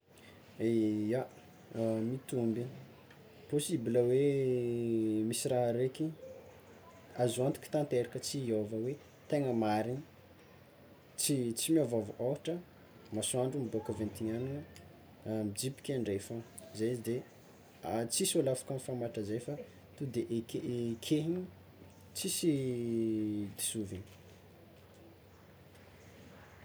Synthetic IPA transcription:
eja | mit̪umbi | posibiləwe | misiraɦaɾeki | azuant̪i̥kʲi̥t̪ant̪eɾikət͡siiovəwe | t̪eŋəmaɾi | t͡sit͡simiovavʔoaʈ͡ʂə | masuaɳɖ͡ʐumibokavẽnt̪iɲan | mid͡zipi̥kʲaɳɖ͡ʐefa | zeizid̪e | at͡sisolafḁkamfamaʈ͡ʂəzejfa | t̪ud̪eʔekekʰeɦiɲi | t͡sisi | d̪i̥suviɲi̥

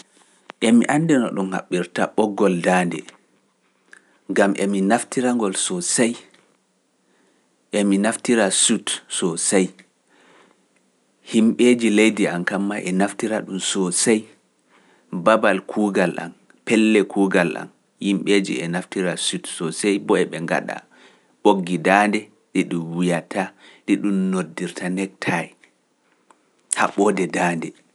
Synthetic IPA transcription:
ʔɛmiʔandɛnɔ̰ɗumha̰ɓːiɾtaɓɔɡːɔldaːndɛ | ŋɡamʔɛminaftiɾaŋɡɔlsɔsaj | ʔɛminaftiɾasutsɔsaj | himɓeːd͡ʒilejdiankamːaʔɛnaftiɾaɗumsɔsaj | babalkʰuːɡalʔa̰m | pɛlːɛkʰuːɡalʔa̰m | himɓed͡ʒḭɛnaftiɾasutsɔsajbɔɛɓɛŋɡa̰ɗa̰ | ɓoɡːidaːndɛ | ɗiɗumwijatʰaɗiɗumnodːiɾtʰanɛk̚tʰaɛ | haɓɔːdɛdaːndɛ

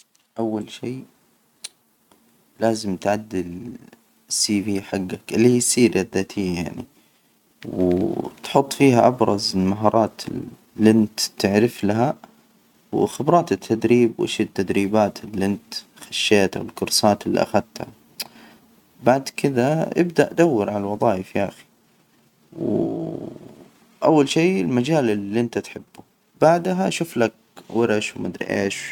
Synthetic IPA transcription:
ʔawːalʃiː | laːzɪmt̪ʕad̪ːɪl | siːviːħaɡːaklːiiːsiːɾʔaðːat̪ʰiːjaʕnḭ | wt̪ħʊt̪ˤːfiːhaʔabɾˤɑzɪlmaɦɑːɾˤɑːt̪ | lːɪnt̪t̪ɪʕɾɪflaɦa | wxɪbɾˤɑːt̪ɪt̪ʰːad̪ɾiːbwʔɪ̰ʃɪt̪ːad̪ɾiːbaːt̪ɪlʔɪnt̪ | xaʃːeːt̪ʔa̰wɪlkʊɾsaːt̪ɪlːḭʔa̰xad̪t̪ha̰ | baʕd̪kʰɪðaʔɪbd̪aʔd̪awːɪɾʕalalwɑðˤɑːjɪfʔa̰xi̥ | w | ʔawːalʃeːɪlmad͡ʒaːlɪlʔɪnt̪at̪ħɪbːu | b̥aʕd̪ɦaʃʊflak̚ | wɪɾaʃwmad̪ɾ̰ʔḛːʃ

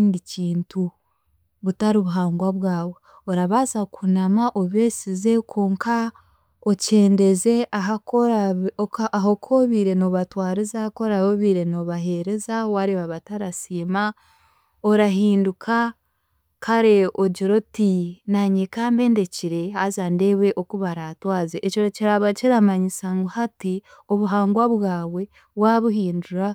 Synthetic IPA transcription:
ndiciːntu | βutaɾiβuɦaːŋɡwaβwaːβo | oɾaβazakʰunamaʔoβesize̞kʰoːŋkʰa | oce̞ːnde̞ze̞aɦakoɾa | aɦokʰoβiɾe̞no̞βatwaːɾizako̞ɾaβoβiɾe̞no̞βaɦe̞ɾe̞zawaɾeβaβataɾasiːma | oɾaɦiːndukʰa | kʰaɾeoɟiɾotinaɲekaːmbe̞ːnde̞ciɾe̞hazandeβeʔokuβaɾatwaːzeʔecoɾociɾaβat͡ʃiɾamaɲisaŋɡuhati | oβuɦaːŋɡwaβwaːwe̞ | βwaβuhiːnduɾa

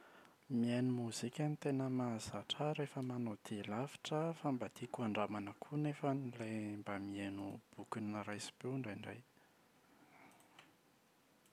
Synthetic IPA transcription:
mianumuzikʲənit̪enəmazaʈ͡ʂaɾefəmanod̪̥ilafi̥ʈ͡ʂəfambad̪̥ikuaɳɖ͡ʐamanəkʰunefənilejmbamienub̥ukinəɾajsi̥peɳɖ͡ʐajɳɖ͡ʐa̰j

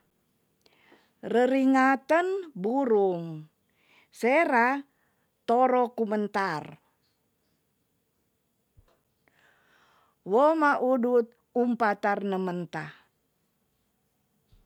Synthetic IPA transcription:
rəɾiŋat̪ənbuɾuŋ | seɾa | t̪oɾɔkumənt̪ar | womaʔudut̪̚ | umpat̪arnəmənt̪a

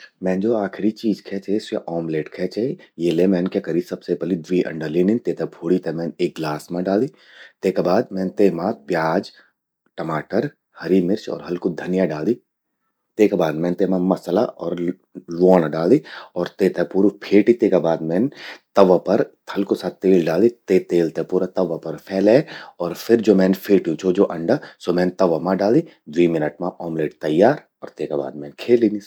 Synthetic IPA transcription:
mɛ̃ːnd͡ʒoːaːkʰɪɾit͡ʃiːd͡ʒkʰɛːt͡ʃesaʔɔːmleːʈkʰɛːt͡ʃejelemɛːnkekəɾisɐbsepɛlid̪ʋiːʔɐ̰̃ɳɖəlinint̪eːt̪ɐbʰoːɽit̪emɛ̃ːneːk̚ɡlaːsmãɖaːliː | t̪eːkabaːd̪mɛ̃ːnt̪eːmãpjaːd͡ʒ | ʈɐmaːʈəɾ | hɐɾimɪɾt͡ʃɔ̰ːɾɦɐlkod̪ʱɐnjaɖaːli | t̪eːkabaːd̪mɛ̃ːnt̪eːmãmɐslaʔɔːɾ | lɔːnaɖaːliɔːɾt̪eːt̪epuːɾupʰeːʈit̪eːkabaːd̪mɛ̃ːnt̪ɐʋapɐɾ | hɐlkosat̪eːlɖaːlit̪eːt̪eːlt̪epuːɾat̪ɐʋapɐɾpʰɛːlɛɔːɾfʰɪɾd͡ʒoːmɛ̃ːnpʰeːʈijũt͡ʃʰod͡ʒoːʔɐ̃ɳɖasoːmɛ̃ːnt̪ɐʋamãɖaːli | d̪ʋiːmɪnəʈmãʔɔːmleːɖt̪ɐjːaːɾ | ɔ̰ːɾt̪eːkaba̰ːd̪mɛ̃ːnkʰeːlini

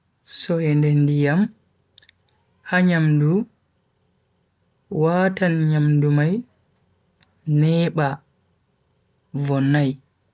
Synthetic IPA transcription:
sɔɛndɛndijam | haɲamdu | waːtanɲamdumaj | nɛːɓa | vɔnːaj

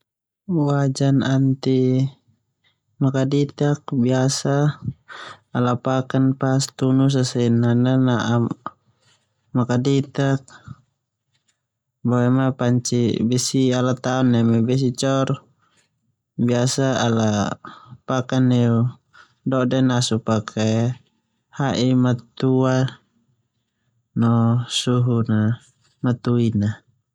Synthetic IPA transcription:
wad͡ʒanant̪i | makadit̪ak̚biasa | lapakanpast̪unus̬asɛnananaʔa | makadit̪ak̚ | bawɛmapaɲt͡ʃḭbɛsialat̪aɔnːɛmɛbɛs̬it͡ʃɔr | biasaːla | pakanɛu | dɔdɛnasupakʰe | haʔimat̪ua | nɔsuɦuna | mat̪uina

